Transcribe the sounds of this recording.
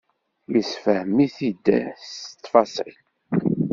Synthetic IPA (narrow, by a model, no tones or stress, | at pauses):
jisfəhmiθid̪ːæ̰st̪ːfɑsˤil